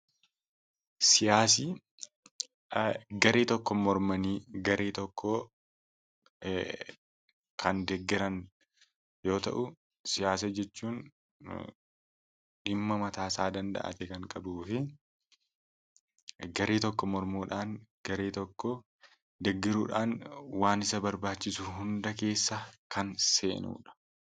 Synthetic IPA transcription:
sɪjaːsi | ɡɐɾeːt̪ɔkːɔmɔɾmɐniːɡɐɾʔeːt̪ɔkːɔ | kʰɐnd̪ɛɡːɪɾɐn | jo̞ːt̪ɐ̰ʔʊ | sɪjaːs̬ɐd͡ʒɛt͡ʃːuːn | ᶑɪmːɐmɐt̪aːsaːd̪ɐnd̪ɐ̰ʔɐ̰t̪ɛkɐŋkʼɐbuːfɪ | ɡɐɾeːt̪ɔkːɔmɔɾmuːᶑaːnɡ̥ɐɾeːt̪ɔkːɔ | d̪ɛɡːɪɾuːᶑaːnwaːnɪsɐbɐɾbaːt͡ʃːɪsʊɦʊnd̪ɐke̞ːsːɐkɐnse̞ːnṵːᶑɐ̥

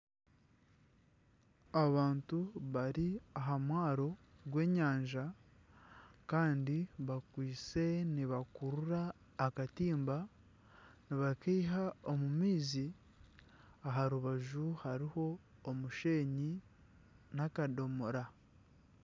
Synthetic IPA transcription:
aβaːntuβaɾiaɦamwaːɾo̞ɡwe̞ːɲaːɲʒa | kaːndiβakwiːt͡se̞niβakuɾuɾaː | katiːmba | niβakeːɦaomumiːzi | aɦaɾuβaʒuhaɾiho̞ːmuʃe̞ːɲi | nakado̞moɾa

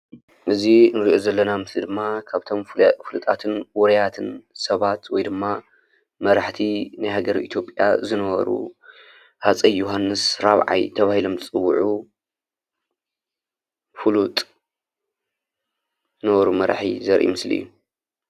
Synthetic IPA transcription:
ʔɨzinɨɾiʔo̞zɐlːɐnamɨslid̪ɨmːakʰaβt̪ʰo̞mfɨlut̪ʼat̪ʰɨnwɔɾɐjat̪ʰɨnsɐβat̪wɔjd̪ɨmːa | mɐɾaħt̪ʰinajhaɡɐɾḭt̪ʰjo̞pʼja̰zɨnɐβɐ̰ɾṵ | hat͡sʼɐjːoɦanːɨsɾaβʕa̰jt̪ʰɐβahilo̞mzɨt͡sʼɨwːuʕu | fɨlut̪ʼ | zɨnɐβɐɾumɐɾ̰ħḭzɐɾʔḭmɨslḭjːu

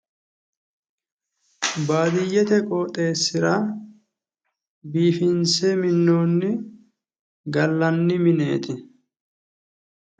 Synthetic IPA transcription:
baːd̪ɪjːɛt̪ɛkʼoːt̪ʼe̞ːsːɪɾɐ | biːfɪnsɛmɪnːoːnːɪ | ɡɐlːɐnːɪmɪne̞̰ːt̪ɪ

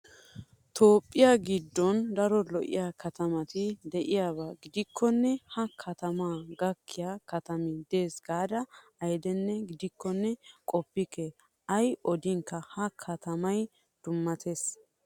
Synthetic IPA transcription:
t̪ʰo̞ːpʼːɪjaɡɪd̪ːɔnd̪ɐɾɔlɔʔɪ̰jaːkʰɐt̪ɐmɐt̪ɪd̪ɛʔɪjaːβaːɡɪd̪ɪkʰːɔnːɛhɐkʰɐt̪ɐmaːɡɐkːɪjakɐt̪ɐmɪd̪e̞ːsɡaːd̪ɐ | ɐjd̪ɛnːɛɡɪd̪ɪkːɔnːɛkʼɔpːɪkɛ | ɐjʔɔd̪ɪŋkːɐhɐkʰɐt̪ɐmɐj | d̪̥ʊmːɐt̪ʰe̞ːs

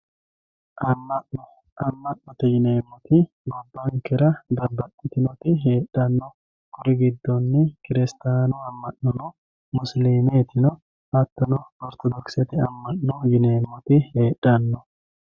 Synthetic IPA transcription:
ʔɐmːɐʔɔ | ʔɐmːɐʔːɔt̪ɪjɪneːmːɔt̪ɪ | ɡɔbːɐŋkɛɾɐd̪ɐbɐtːɪt̪ɪnɔt̪ɪɦeːᶑːɐnːɔ | kʊɾɪɡɪd̪ːɔnːɪkɪɾɪst̪aːnʊɐmːɐʔːɔnɔ | mʊsliːmɪɛt̪ɪnɔ | ɐt̪ːɔnɔɔɾt̪ɔd̪ɔksɛt̪ɪɐmːɐnːɔjɪneːmːɔt̪ɪheːᶑːɐnːɔ

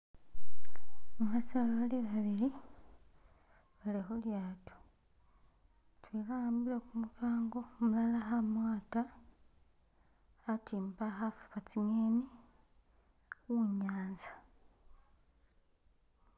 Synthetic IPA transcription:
mumasalaaliβaβiɾi | βalexuljaːto̥ | twekaaːmbiɾekumukaːŋɡo̞mulalaxamwaːta | timpaxafu̥pat͡siŋeni | uɲaːnzḁ

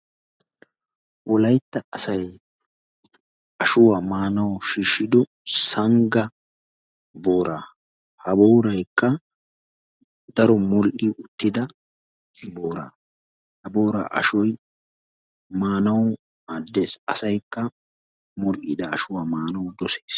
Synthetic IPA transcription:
ʔɔlɐjt̪ːɐʔɐsɐj | ɐʃʊwaːmaːnɐwʃiːʃːɪd̪ɔ | sɐŋɡɐ | boːɾaː | hɐboːɾɐjkːɐ | d̪ɐɾɔmɔlʔiʊt̪ːɪd̪ɐ | boːɾa̰ː | hɐbo̞ːɾa̰ːʔɐ̰ʃɔj | maːnɐw | aːd̪ːe̞ːsɐsɐjkːɐ | mɔlʔɪ̰d̪ɐːʃʊwaːmaːnɐwd̪ɔseːs

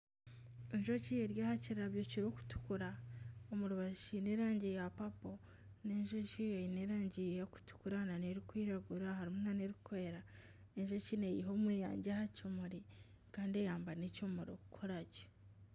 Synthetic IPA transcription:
eɲʒocijeɾjaːhaciɾaβjociɾoku̥tu̥kuɾaomuɾuβaʃineɾaːɲɟejapapo | neɲʒo̞cijeineɾaːɲɟijaku̥tu̥kuɾananeɾikwiːɾaɡuɾahaɾimunaneɾikwe̞ːɾa | eɲʒo̞cinejiɦo̞mweːja̰ːɲɟahacumuɾi | kaːnde̞jaːmbanecomuɾo̰kukʰoɾaɟo̥

